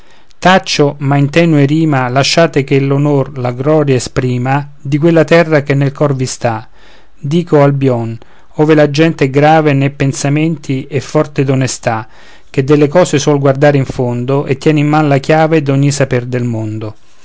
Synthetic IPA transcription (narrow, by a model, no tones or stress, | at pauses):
t̪at͡ʃːomaint̪ɛːnweɾiːmalaʃːaːt̪ekelonorlaɡɾɔːɾjaespɾiːma | d̪ikwelːat̪ɛrːakenːelkɔrvist̪a | d̪iːkoalbjɔn | ɔːvelad͡ʒɛnt̪eɛɡɾaːvenɛpːensamɛnt̪iʔɛfːɔrt̪ed̪onest̪a | k̟ed̪ːelːekɔːseswɔlɡward̪aːɾeiɱfond̪ʊʔet̪ːjɛːnimːanlakjaːved̪ɔɲːisaperd̪elmond̪ʊ